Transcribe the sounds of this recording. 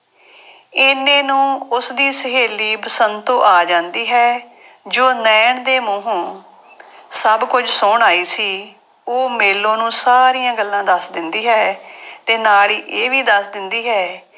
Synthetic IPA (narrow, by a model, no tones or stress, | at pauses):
ɪnẽːnũːʊsd̪iːsəɦeːliːpəsənt̪õːʔaːd͡ʒãːnd̪iːɦɛː | d͡ʒoːnɛːɳd̪eːmõːɦõː | səbkʊd͡ʒsʊːɳaːiːsiː | oːmeːlːõːnũːsaːɾiːjãːɡəlːãːd̪əsd̪ɪnd̪iːɦɛːt̪eːnaːliːʔeːʋiːd̪əsd̪ɪnd̪iːɦɛː